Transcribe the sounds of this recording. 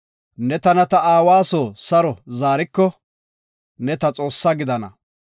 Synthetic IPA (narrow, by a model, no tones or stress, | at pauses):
nɛt̪ɐnɐt̪ɐaːwaːsoːsɐɾɔzaːɾɪkːɔ | nɛt̪ɐt͡sʼo̞ːsːɐɡɪd̪ɐnɐ̰